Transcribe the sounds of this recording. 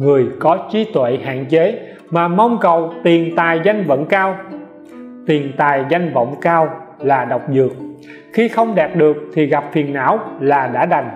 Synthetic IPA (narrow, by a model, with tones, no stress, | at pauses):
ŋɨ˨˩əjkɔ˨˦t͡ɕi˨˦t̪wḛ˧˨ha̰ː˧˨nt͡ɕe˨˦ | maː˨˩ma˧wŋ͡mkə˨wt̪i˨˩ənt̪aː˨˩jza˧jŋ̟və̰˧˥ŋ͡mkaː˧w | t̪i˨˩ənt̪aː˨˩jza˧jŋ̟və̰˧˨wŋ͡mkaː˧wlaː˨˩ɗə˨˩wk͡p̚zɨ˨˩ək̚ | xi˧xə˧wŋ͡mɗaː˨˩p̚ɗɨ˨˩ək̚t̪ʰi˨˩ɣa˨˩p̚fi˨˩ənːa̰ː˧˥˨wlaː˨˩ɗa̰ː˧˥ɗa˨˩jŋ̟